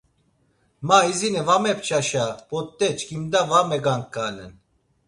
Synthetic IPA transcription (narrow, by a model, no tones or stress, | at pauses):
maizinɛvamɛp̚t͡ʃʰaʃab̥ɔt̪ːɛt͡ʃʰkimd̪avamɛɡaŋkːanɛn